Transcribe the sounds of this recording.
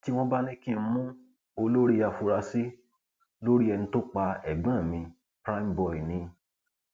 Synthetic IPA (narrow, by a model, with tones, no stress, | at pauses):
ti˦w̃ɔ̃˦ba˦nĩ˦kĩ˦˨˦mũ˦ | o˧lo˦ɾi˦ja˧fu˧ɾa˧si˦ | lo˦ɾi˦ɛ˧nĩ˧to˦k͡pa˧ɛ˨ɡ͡bã˨˦˨mĩ˧ | pɾa˦i˦m̩bɔ˨i˨nĩ˧